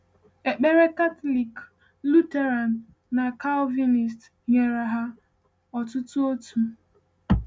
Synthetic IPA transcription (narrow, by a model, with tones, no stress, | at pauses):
e˨k͡pe˦ɾe˦ka˦tɔ˦li˨k | lu˦te˦ɾa˨nː | a˨ka˦lvi˦ni˨st | ɲe˨ɾa˨ɦa˦ | ɔ˨tʊ˦tʊ˦o˦tu˨